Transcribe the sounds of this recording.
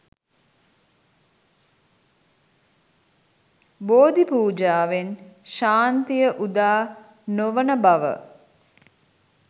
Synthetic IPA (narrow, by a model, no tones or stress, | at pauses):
boːd̪ipuːd͡ʒaːʋenʃaːnt̪ijəʔud̪aː | noʋənəbaʋə̰